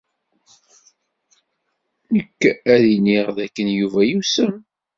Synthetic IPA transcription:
nəkːæðiniʁðækːənjuvæjusəm

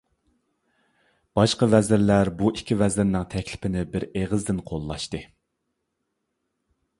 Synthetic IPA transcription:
b̥ɑʃqɑvɛzɪɾlæɾbuʔikʲʰivɛzɪɾnɪŋt̪ʰɛkʲlɪ̥pʰɪnɪbɪɾeʁəzd̪ɪnqʰolˠːɑʃt̪ɨ

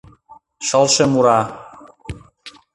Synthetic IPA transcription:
ʃəlˠʃemuɾɑ

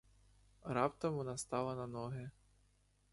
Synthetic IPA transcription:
ɾɑpt̪ɔmɔnɑst̪ɑlˠɐnɐnɔɦɪ

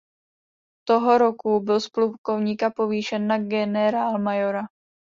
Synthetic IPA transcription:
t̪o̞ɦo̞ɾo̞kubɪlsplukovɲiːkapo̞viːʃɛnːaɡɛnɛɾaːlmajo̞ɾa

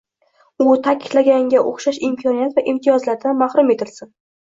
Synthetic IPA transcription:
ʊt̪ʰakʲʰɪ̥d̪̥laɡʲaŋɡʲaʔoχʃaʃɪmkʰɒnijat̪vaʔɪmt̪ʰijɒzlaɾd̪anmahɾʊme̞t̪ʰɪlsɪn

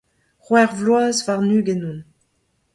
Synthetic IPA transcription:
ʁwɛʁvlwaːzvaʁnyːɡɛnũn

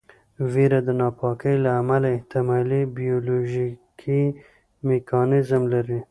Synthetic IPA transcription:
veɾad̪ənɑpɑkəjlaːmalaɪht̪ɪmɑlibijoloʒikʰi | mekʰɑnɪzmlaɾi

